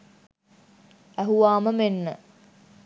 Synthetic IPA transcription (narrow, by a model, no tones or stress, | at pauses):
æɦuʋaːməmenːə